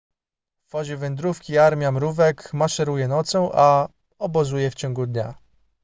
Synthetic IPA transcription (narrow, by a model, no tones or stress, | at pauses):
vɔʑɛvɛnd̪ɾufkʲiaɾmʲjamɾuvɛkmaʂɛɾujɛnɔt̪sɔw̃ʔa | ɔbɔzujɛft͡ɕɔ̃ŋɡud̪ɲa